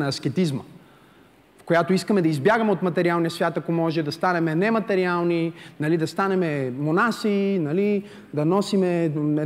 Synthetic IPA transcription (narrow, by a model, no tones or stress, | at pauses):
nɐɐsk̟ɛt̪izmə̰ | fkojat̪oiskəmɛd̪ɐizbjaɡəmɛot̪mɐt̪ɛɾialˠnijəsvʲjat̪ɐkomɔʒɛd̪ɐst̪anɛmɛnɛmɐt̪ɛɾialˠninɐlid̪ɐst̪anɛmɛmonasinɐli | d̪ɐnɔsimɛ